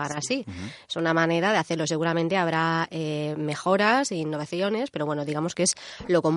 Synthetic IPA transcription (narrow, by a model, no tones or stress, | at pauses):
anasiesunamane̞ɾaðe̞aθe̞ɾlo̞se̞ɣuɾamẽnt̪e̞aβɾaeme̞xo̞ɾasiːnːo̞β̞aθjo̞ne̞spe̞ɾowe̞no̞ðiɣamo̞ske̞slo̞ko̞m